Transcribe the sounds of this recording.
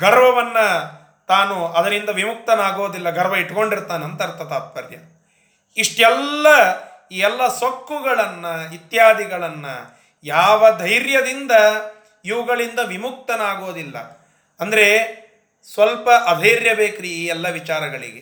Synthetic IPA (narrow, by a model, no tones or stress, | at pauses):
ɡɐɾʋɐʋɐnːɐ | t̪aːnuɐd̪ɐnind̪ɐʋimuk̚t̪ɐnaːɡo̞ːd̪ilːɐɡɐɾʋɐiʈko̞ɳɖiɾt̪aːnɐnt̪ɐɾt̪ɐt̪aːt̪̚pɐɾjɐ̰ | iʂʈɛlːɐ | iːɛlːɐsokːuɡɐɭɐnːɐit̪jaːd̪iɡɐɭɐnːɐ̰ | jaːʋɐd̪ʱɐjɾjɐd̪ind̪ɐ | iʋuɡɐɭind̪ɐʋimuk̚t̪ɐnaːɡo̞ːd̪ilːɐ̰ | ɐnd̪ɐɾe̞ | sʋɐlpɐʔɐd̪ʱɐjɾjɐbeːkɾiiːɛlːɐʋit͡ʃaːɾɐɡɐɭḭɡe